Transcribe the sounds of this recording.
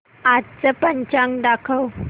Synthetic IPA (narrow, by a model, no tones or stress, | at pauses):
att͡səpəɲt͡ɕãŋɖakʰəw